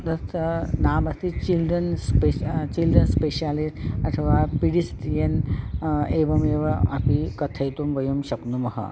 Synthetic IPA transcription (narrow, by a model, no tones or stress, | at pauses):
d̪ɐst̪ənamɐst̪it͡ɕilɖɾənspet͡ɕilɖɾənspeɕalisʈɐt̪ʰəʋapiɽist̪ijen | eʋɐmeʋɐapikɐt̪ʰɐjt̪umʋɐjumɕɐknumɐɦə̰